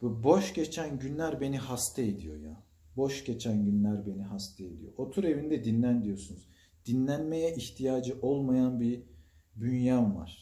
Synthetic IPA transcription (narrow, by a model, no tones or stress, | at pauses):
bbo̞ʃɟe̞t͡ʃʰænɟynlʲæɾbe̞niɦast̪ʰɛed̪ijo̞̰ja̰ | bo̞ʃɟe̞t͡ʃʰænɟynlʲæɾbe̞niɦast̪ʰɛed̪ḭjo̞̰ʔot̪ʰuɾe̞vind̪ɛd̪inlʲænd̪ijo̞sunuz | d̪̥inlʲænme̞jɛʔiçt̪ʰijaːd͡ʒɯʔolˠmajanbi | bynjanva̰ɾ̥